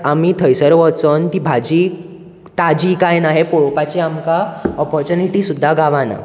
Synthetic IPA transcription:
amiːt̪ʰəjsəɾʋɔt͡sɔnt̪iːbʱad͡ʑiː | t̪ad͡ʑikajnaɦepoɭɔpat͡ɕeamkaɔpɔɾt͡ɕuniʈiːsud̪ʱːaɡaʋana̰

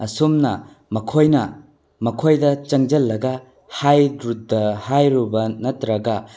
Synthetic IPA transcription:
ɐsumnɐ | mɐkʰojnɐ | mɐkʰojdɐt͡ʃɐŋd͡ʒɐlːɐɡɐ | hajdɾut̚dɐhajɾubɐnɐtɾɐɡɐ

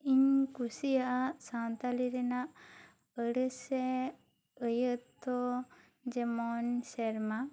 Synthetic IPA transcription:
iɲkusijaʔsant̪aliɾɛnaʔ | əɽəse | əjət̪ːɔ | d͡ʒemɔnsɛɾma

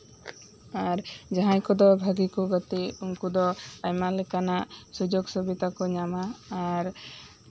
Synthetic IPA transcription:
aɾd͡ʒaɦãkud̪ɔbʱaɡikɔɡɔt̪iuŋkud̪ɔajmalɛkanasud͡ʒoɡsɔbit̪akɔɲamaːɾ

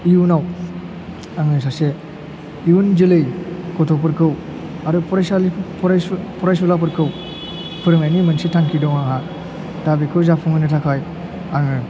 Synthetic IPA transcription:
iunaw | aŋɯsase | iund͡ʒilɯjkɔtʰɔp̬ɯɾkʰɯw | aɾɯpʰɔɾajsapʰɾpʰɔɾajsulap̬ɯɾkʰɯw | pʰɯɾŋajnimɯnsitʰaŋkʰidɔŋaha | tabikʰɯwzapʰɔŋɯnɯtʰakʰaj | aŋɯ

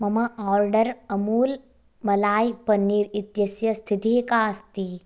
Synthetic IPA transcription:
mɐmɐaːɾɖɐɾɐmuːl | mɐlaːjpɐnːiːɾit̪jɐsjɐst̪ʰit̪iːkaːst̪i

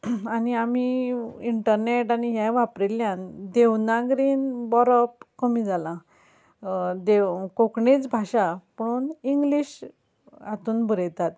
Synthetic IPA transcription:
aniamiiɳʈəɾneʈaniɦjãʋapɾeljãnd̪ewnaɡɾiːnbɔɾɔp̚kəmid͡zalã | d̪ekokɳet͡sbʱaɕapəɽ̃uːniŋɡliːɕ | at̪uːnbʱəɾəjt̪at̪

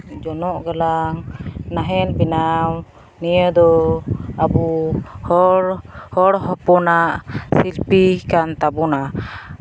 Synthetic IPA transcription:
d͡ʒɔnɔʔɡalaŋnaɦɛnbinaw | nijəd̪ɔabuhɔɾhɔɽɦɔpɔnaʔsilpikant̪abuna

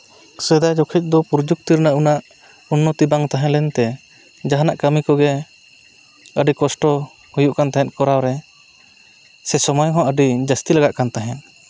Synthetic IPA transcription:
sɛd̪ajd͡ʒɔkʰɛc̚ˀd̪ɔpuɾd͡ʒuk̚t̪iɾnaʔunaʔ | unːɔt̪ibaŋt̪aɦɛ̃lɛnt̪ɛ | d͡ʒaɦanaʔkəmikɔɡɛ | əɖikɔsʈɔ | hujuʔkant̪aɦɛ̃t̪̚kɔɾawɾɛ | sɛsɔmɔjɦɔ̃ʔəɖid͡ʒast̪ilaɡaʔkant̪aɦɛ̃t̪̚

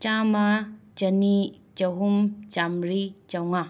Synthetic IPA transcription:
t͡ʃamat͡ʃɐni | t͡ʃɐɦumt͡ʃamɾit͡ʃawŋa

